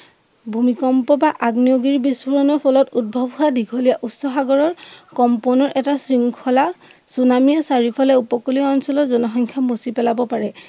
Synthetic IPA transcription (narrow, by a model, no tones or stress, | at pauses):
bʱumikɔmpɔbaʔaɡnijoɡiɹbisuɹɔnɔpʰɔlɔtud̚bʱɔbʱɦuadʱikʰɔlijaʔusɔxaɡɔɹɔɹkɔmpɔnɔɹʔɛtasɹiŋkʰɔlasunamijɔsaɹipʰɔlɛupɔkoliɔɔnsɔlɔzɔnɔxɔŋkʰamosipɛlabɔpaɹɛ